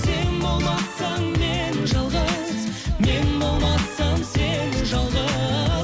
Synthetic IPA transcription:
senbo̞lˠmɑsɑŋme̞nʒɑlˠʁɑzme̞nbo̞lˠmɑsɑmsenʒɑlˠʁɑ

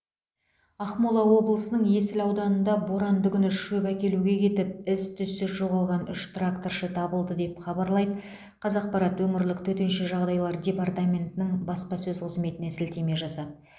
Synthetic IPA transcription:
ɑχmolˠɑwo̞blˠəsənəɴje̞sɪlɑwd̪ɑnənd̪ɑboɾɑnd̪ʏɡʲʏnɪʃɵpækʲe̞luɡʲe̞kʲʰe̞t̪ɪp̚ɪst̪ʰʏsːɪzʒo̞ʁɑlˠʁɑnʏʃt̪rakt̪orʃət̪ʰɑbəlˠd̪əd̪e̞pχɑbɑɾlˠɑjd̪ | qʰɑzɑq̚pɑɾɑt̪wɵmɪɾlɪk̚t̪ʰɵt̪e̞nʃe̞ʒɑʁd̪ɑjlˠɑɾd̪ʲe̞part̪amʲe̞nt̪ɪnɪŋbɑsqɑsɵzqʰəzme̞t̪ɪnesɪlt̪e̞me̞ʒɑsɑt̪

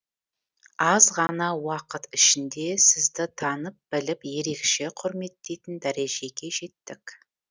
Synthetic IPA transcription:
ɑzʁɑnɑwɑqət̪ɪʃɪnd̪e̞sɪzd̪ɪt̪ʰɑnəp̚b̥ɪlɪpje̞ɾe̞kʃe̞qʰʊɾme̞t̪ːe̞jt̪ɪnd̪æɾeʒe̞ɡʲe̞ʒe̞t̪ːɪk

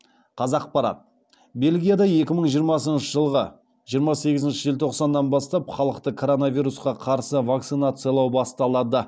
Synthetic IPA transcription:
qʰɑzɑq̚pɑɾɑ̰t̪̚ | be̞lɡʲijad̪ɑje̞kʲɪməɴʒijəɾmɑsənʃəʒəlˠʁə | ʒijəɾmɑse̞ɡʲɪzɪnʃɪʒɪlt̪ʰo̞qsɑnːɑnbɑst̪ɑpχɑlˠəqt̪əkʰo̞ɾo̞navʲijɾusqɑqʰɑɾsəvak̚t̪sinat̪sɨjalˠɑwbɑst̪ɑlˠɑd̪ə

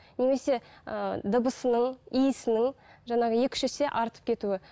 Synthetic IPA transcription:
ne̞me̞se̞ə̰d̪əbəsənəɴijɪsɪnɪŋʒɑnɑʁəje̞kʲɪ̥ʃese̞ʔɑɾt̪əpkʲʰe̞t̪uɪ

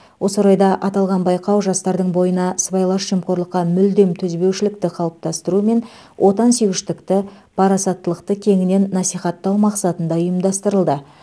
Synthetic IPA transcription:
wʔo̞səɾɑjd̪ɑʔɑt̪ɑlˠʁɑnbɑjqɑwʒɑst̪ɑɾd̪əɴbo̞jənɑsəbɑjlˠɑʃʃimqo̞ɾlˠəqːɑmʏld̪e̞mt̪ʰɵzbe̞wʃɪlɪk̚t̪ɪqʰɑlˠəp̚t̪ɑst̪əɾume̞n | wʔo̞t̪ɑnsewɪʃt̪ɪkt̪ɪ | pʰɑɾɑsɑt̪ːəlˠəqt̪əkʲʰe̞ŋɪne̞nːɑsijχɑt̪ːɑwmɑqsɑt̪ənd̪ɑʊjəmd̪ɑst̪əɾəlˠd̪ə

